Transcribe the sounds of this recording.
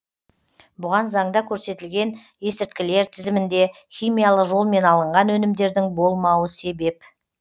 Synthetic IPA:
bʊʁɑnzɑɴd̪ɑkʲʰɵɾse̞t̪ɪlɡʲe̞n | e̞sɪɾt̪̚kʲɪle̞ɾt̪ʰɪzɪmɪnd̪e̞ | χʲijmʲijɑlˠəqʒo̞lˠme̞nɑlˠəɴʁɑnwɵnɪmd̪e̞ɾd̪ɪŋbo̞lˠmɑwəse̞be̞p

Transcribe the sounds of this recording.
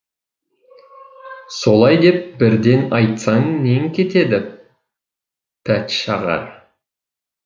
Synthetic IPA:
so̞lˠɑjd̪e̞p̚bɪɾd̪e̞nɑjt̪sɑŋneŋkʲʰe̞t̪e̞d̪ɪ | pʰæt̪ʃɑʁɑ̰ɾ

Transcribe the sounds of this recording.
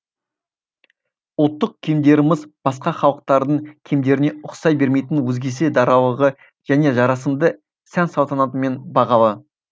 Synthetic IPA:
wot̪ːəq̚kʲʰemd̪e̞ɾɪmɪzb̥ɑsqɑχɑlˠəq̚t̪ɑɾd̪əɴkʲʰe̞md̪e̞ɾɪne̞ʊqsɑjbe̞ɾme̞jt̪ɪnwɵzɡʲe̞se̞d̪ɑɾɑlˠəʁə | ʒ̥æne̞ʒɑɾɑsəmd̪ə | sænsɑwt̪ɑnɑt̪əme̞nbɑʁɑlˠə

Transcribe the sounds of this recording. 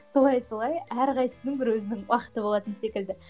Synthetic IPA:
so̞lˠɑjsolˠɑjæɾqɑjsənɪŋbɪɾwɵzɪnɪŋwɑqə̥t̪əbolˠɑt̪ənse̞kʲɪld̪ɪ

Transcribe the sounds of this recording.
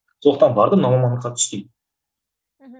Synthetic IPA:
sʰolˠəq̪̚t̪ɑnbɑɾd̪ənɑmɑmɑnəqːɑt̪ʰʏ̥st̪ʲejd̪ɪ

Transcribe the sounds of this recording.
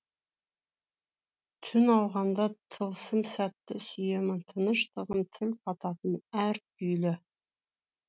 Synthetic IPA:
t̪ʰʏnɑwʁɑnd̪ɑt̪ʰəlˠsəmsæt̪ːɪsʏjemɪnt̪ʰənəʃt̪əʁəmt̪ʰɪlqʰɑt̪ɑt̪ənæɾ | ʏjlɪ

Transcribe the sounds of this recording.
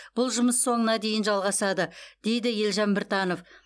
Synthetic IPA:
b̥ʊlˠʒʊməsːo̞ɴənɑd̪e̞jɪnʒɑlˠʁɑsɑd̪əd̪̥e̞jd̪ɪje̞lʒɑmbɪɾt̪ɑno̞f

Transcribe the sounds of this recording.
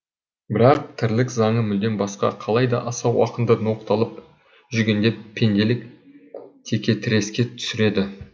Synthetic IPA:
bɪɾɑq̚t̪ʰɪɾlɪkzɑɴəmʏld̪e̞nbɑsqɑ̰qʰɑlˠɑjd̪ɑ̰ʔɑsɑwwɑ̰qənd̪əno̞qt̪ɑlˠəp̚ | ʒʏɡʲe̞nd̪e̞pʰːe̞nd̪e̞lɪk̚ | t̪ʰe̞kʲe̞t̪ʰɪɾe̞skʲe̞t̪ʰʏ̥sɪɾe̞d̪ɪ

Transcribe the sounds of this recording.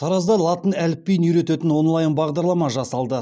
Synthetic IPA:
t̪ʰɑɾɑzd̪ɑlˠɑt̪ənælɪp̚ːejɪnyjɾe̞t̪et̪ɪnwo̞nlˠɑjənbɑʁd̪ɑɾlˠɑmɑʒɑsɑlˠd̪ə

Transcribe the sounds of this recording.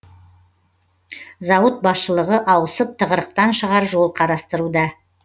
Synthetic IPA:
zɑwət̪̚bɑsʃəlˠəʁəʔɑwəsəp̚t̪ʰəʁəɾəq̚t̪ɑnʃəʁɑɾʒo̞lˠqʰɑɾɑst̪əɾud̪ɑ

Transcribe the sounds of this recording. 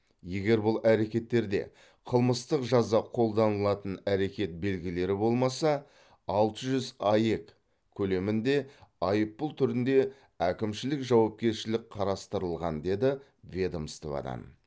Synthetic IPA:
je̞ɡʲe̞ɾbʊlˠæɾe̞kʲe̞t̪ːe̞ɾd̪e̞̰ | qʰəlˠməst̪əqʒɑzɑqʰo̞lˠd̪ɑnəlˠɑt̪ənæɾe̞kʲe̞t̪̚be̞lɡʲɪle̞ɾɪbo̞lˠmɑsɑ | ɑlˠt̪əʒʏzɑje̞k | kʲʰːɵle̞mɪnd̪e̞ɑjəpːʊlˠt̪ʰʏɾɪnd̪e̞ | ækʲɪmʃɪlɪkʒɑwɑp̚kʲe̞ɾʃɪlɪk̚qʰɑɾɑst̪əɾəlˠʁɑnd̪e̞d̪ɪ | vʲe̞d̪omst̪ḛvɑ̰d̪ɑ̰n

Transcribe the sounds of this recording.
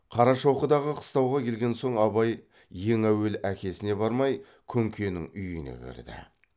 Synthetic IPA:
qʰɑɾɑʃo̞qəd̪ɑʁəqʰə̥st̪ɑwʁɑkʰʲe̞lɡʲe̞nso̞ɴɑβɑjː | e̞ŋæwe̞lækʲe̞sɪne̞bɑɾmɑj | kʲʰɵŋkʲʰe̞nɪŋʏjənḛkʲʰḛɾd̪ɪ̰

